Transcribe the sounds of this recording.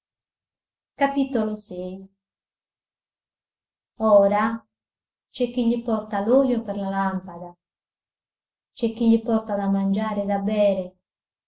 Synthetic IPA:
kapit̪olosɛj | ɔːɾa | t͡ʃɛk̟ːiʎːipɔrt̪aluʎopɛrlalampad̪a | t͡ʃɛk̟ːiʎipɔrt̪ad̪amːand͡ʒaːɾɪd̪abːɛːɾe

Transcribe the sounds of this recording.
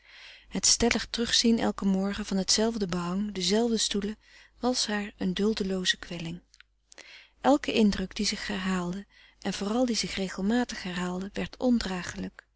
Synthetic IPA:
hətstɛləχtrɵχsinɛ̰lˠkəmɔɹχəvɑnɦətsɛlˠvdəbəɦɑŋdəzɛlˠvdəstulə | ʋɑsɦaːɹəndɵlˠdəlowzəkʋɛlɪŋ | ʔɛlˠkəʔɪndrɵkd̥izɪχɛɹɦaːlˠdə | ʔɛnvoːrɑlˠdizɪχrejχəlˠmaːtəχɦɛɹɦaːlˠdəʋɛɹtʰɔndraːχələk

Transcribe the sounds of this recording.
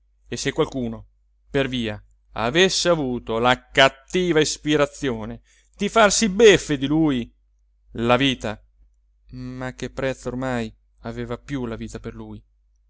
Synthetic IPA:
esːekːwalkuːno | perviːa | a̰vesːeavuːt̪olakat̪ːiːvaispiɾat̪sːjoːne | d̪̥ifarsibefːed̪iluːj | laviːt̪a | mak̟ːepːɾɛt̪sːormaj | aveːvapjulaviːt̪aperluːj

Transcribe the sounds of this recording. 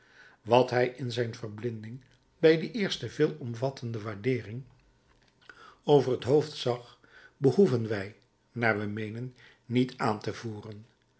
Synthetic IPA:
ʋɑtɦɛjʔɪnzɛjnvərblɪndɪŋ | bɛjdəʔɪːɹstəvɪːlˠɔmvɑtʰəndəʋaːɹdɪːrɪŋ | owvərɦətɦowftsɑχ | bəhuvənʋɛj | naːɹʋɛmejnənː | itʰaːntəvuːrən

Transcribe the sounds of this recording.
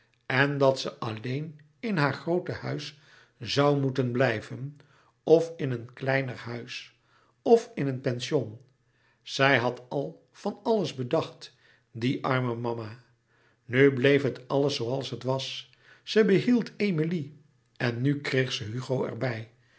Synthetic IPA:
ɛndɑtsəʔɑlejn | ɪnɦaːɹχrowtəhœɥs | zɑwmutənblɛjvən | ɔfɪnənklɛjnərɦœɥs | ɔfɪnənpɛnʃɔn | z̥ɛjɦɑtʰɑlˠ | v̥ɑnɑləzbədɑχt | diʔɑɹməmɑma | nyblejfɦətɑləsːowɑlˠsɦətʋɑs | səbəɦilˠtʰejmili | ɛnːykrejχsəɦyχowɛ̰ɹbɛj

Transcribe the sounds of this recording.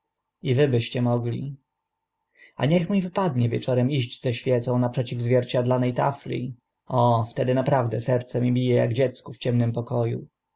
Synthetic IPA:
ivɘbɘɕt͡ɕɛmɔɡlʲḭ | a̰ɲɛxmʲivɘpad̪ɲɛvʲjɛt͡ʂɔɾɛmiʑd͡ʑzɛɕfʲjɛt̪sɔ̃w̃napʂɛt͡ɕivzvʲjɛɾt͡ɕad̪lanɛjt̪a̰flʲḭ | ɔft̪ɛd̪ɘnapɾavd̪ɛsɛɾt̪sɛmʲibʲijɛja̰ɡd͡ʑɛt̪skuft͡ɕɛmnɘmpɔkɔjṵ

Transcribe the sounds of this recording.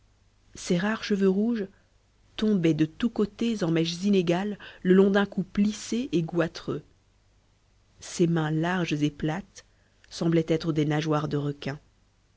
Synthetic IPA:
seʁaʁʃəvøʁuʒ | t̪ɔ̃bɛd̪ət̪ukot̪ezɑ̃mɛʃzineɡalːəlɔ̃d̪ɛ̃kupliseʔeɡwat̪χø | semɛ̃laʁʒzeplat̪ | sɑ̃blɛt̪ɛt̪χəd̪enaʒwaʁd̪əʁəkʲɛ̃

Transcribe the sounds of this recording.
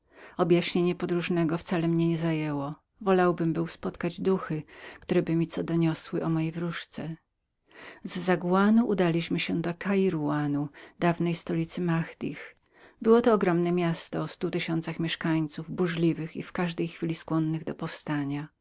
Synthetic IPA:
ɔbjaɕɲeɲɛpɔd̪ɾuʐnɛɡɔft̪salɛmɲɛɲɛzajɛwɔ | vɔlawbɘmbɘwspɔt̪kad͡ʑd̪uxɘkt̪uɾɛbɘmʲit̪sɔd̪ɔɲɔswɘʔɔmɔjejvɾuʂt̪sɛ | zːaɡuwanuʔud̪alʲiɕmɘɕɛd̪ɔkʰaiɾuanud̪avnɛjst̪ɔlʲit̪sɘmaxd̪̥ʲḭx | bɘwɔt̪ɔːɡɾɔmnɛmʲjast̪ɔːst̪ut̪ɘɕɔnt̪saxmʲjɛʂkaɲt̪suvbuʐlʲivɘxḭfkaʐd̪ɛjxfʲilʲiskwɔnːɘɣd̪ɔpɔfst̪aɲa

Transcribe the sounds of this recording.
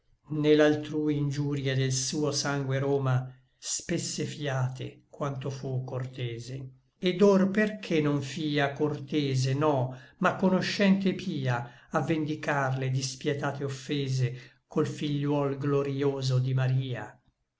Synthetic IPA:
nelːalt̪ɾuːiind͡ʒuːɾjed̪elsuːosaŋɡweɾoːma | spesːefiaːt̪ḛkwant̪ofukːort̪ɛːze | ed̪orperkʰenoɱfiːakort̪eːzenɔmakːonoʃːɛnt̪epʰiːaavːend̪ikarled̪ispjɛt̪aːt̪eofːeːze | kʰolfiʎːwɔlɡloɾioːzod̪imaɾiːa̰

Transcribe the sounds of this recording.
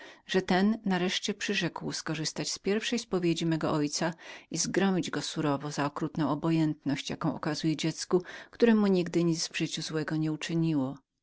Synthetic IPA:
ʐ̥ɛt̪ɛnːaɾɛʂt͡ɕɛpʂɘʐɛkwskɔʐɘst̪at͡ɕspʲjɛɾfʂɛjspɔvʲjed͡ʑimɛɡɔʔɔjt̪saizɡɾɔmʲid͡ʑɡɔsuɾɔvɔzaɔkɾut̪nɔ̃w̃ɔbɔjɛnt̪nɔɕt͡ɕjakɔ̃w̃ʔɔ̰kazujɛd͡ʑɛt̪skukt̪uɾɛmuɲiɡd̪ɘɲid̪zvʐɘt͡ɕuzwɛɡɔɲɛut͡ʂɘɲiwɔ

